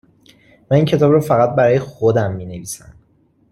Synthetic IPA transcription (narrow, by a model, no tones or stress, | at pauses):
mæniːncʰe̞t̪ʰɒːbrɒːfæɣæt̪̚bæɾɒːje̞xod̪æmːiːne̞viːsæ̰m